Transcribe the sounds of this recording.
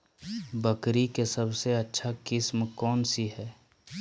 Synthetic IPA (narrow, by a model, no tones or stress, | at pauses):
bəkɾikesɐbseɐtːʃʰakɪsmkɔːnsiɦɛː